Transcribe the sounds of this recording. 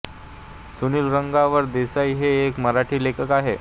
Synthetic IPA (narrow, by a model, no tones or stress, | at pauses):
suniːlɾəŋɡaʋəɾd̪esaiɦeːkməɾaʈʰiːlekəkaɦe